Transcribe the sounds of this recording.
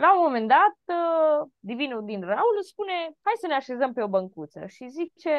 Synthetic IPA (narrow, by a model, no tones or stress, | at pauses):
laumo̞me̞nd̪at̪̚ | d̪ivinud̪inraulspune̞hajsəneaʃe̞zəmpe̞o̞bəŋkut̪sə̰ʃizit͡ʃe̞